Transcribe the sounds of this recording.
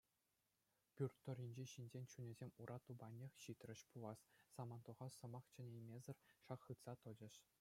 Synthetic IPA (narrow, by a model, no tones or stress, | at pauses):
pʲyrt̪ːŏrʲinʲd͡ʑeɕinʲd͡ʑʲenʲt͡ɕunʲɘ̆zʲemʲuɾʔɑt̪ubɑnʲexʲɕit̪ʲrʲɘ̆ɕpulˠɑssɑmɑnt̪oʁɑsɤ̆mɑχt͡ɕɘ̆nʲejmʲezʲɘ̆rʲʂɑχːɯt̪sɑt̪ɤ̆d͡ʑɘ̆ʃ